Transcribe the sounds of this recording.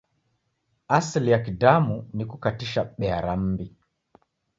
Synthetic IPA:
aslijakidamunikukatiʃaɓɛaɾam̩bi

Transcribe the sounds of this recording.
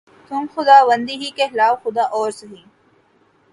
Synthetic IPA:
t̪ʊmxʊd̪aːʋɐnd̪iɦikehɪlaːwxʊd̪aːʔɔːɾsɐɦĩː

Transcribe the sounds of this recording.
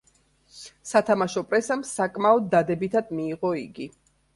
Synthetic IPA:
sat̪ʰamaʃɔpʼɾɛsamsakʼmaɔd̪ːad̪ɛbit̪ʰad̪miːʁɔiɡi

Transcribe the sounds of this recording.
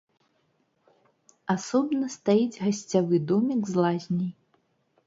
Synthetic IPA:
asɔbnɐst̪ajid͡zʲɣasʲt͡sʲavɨd̪ɔmʲiɡzlˠazʲnʲɐj

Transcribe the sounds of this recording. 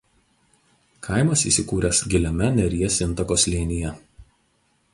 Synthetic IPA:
kʰɐɪmɐsḭˑsʲɪkuːɾʲɛsɡʲɪlʲɛmʲɛnʲɛɾʲijɛsʲɪnˑt̪ɐkoːslʲiːnʲɪjɛ

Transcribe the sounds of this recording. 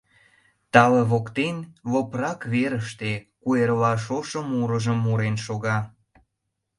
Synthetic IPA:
t̪ɑleβokt̪enβoprɑkβeɾəʃt̪ekuerlɑʃoʃəmuɾəʒəmːuɾenʃoɣɑ

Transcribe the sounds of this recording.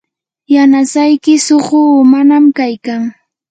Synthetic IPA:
janasajkɪsoχʊmanamkajkaŋ

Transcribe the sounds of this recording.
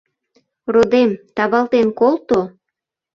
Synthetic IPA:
rod̪emt̪ɑβɑlt̪enkolt̪o

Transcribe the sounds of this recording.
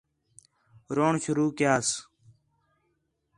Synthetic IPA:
ɾoːɳʃʊɾuːkjaːs

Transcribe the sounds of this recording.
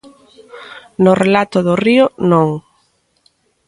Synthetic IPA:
nʊrelat̪ʊðʊriʊnõŋ

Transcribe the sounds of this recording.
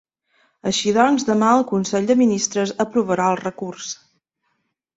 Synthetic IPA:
əʃiðɔnzðəmaəlˠkunsɛʎd̪əminist̪ɾəzəpɾuβəɾaəlˠrəkurs

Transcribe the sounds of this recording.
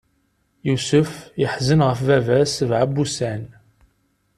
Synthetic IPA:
jusʊfjəħzənʁəfvævæsvʕabːusæn

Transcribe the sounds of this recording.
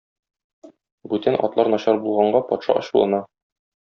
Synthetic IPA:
bʉt̪ænʔɒ̰t̪lˠɑɾnɒɕɑɾbulˠʁɑɴɢɑpɒt̪ʃɑ̰ʔɒ̰ɕulˠɑ̰nɑ

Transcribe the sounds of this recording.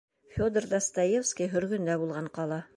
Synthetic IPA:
fʲod̪rd̪ɑst̪ɑjefskʲijɦɵ̆ɾɡɵ̆nd̪æbulˠʁɑɴqɑlˠɑ

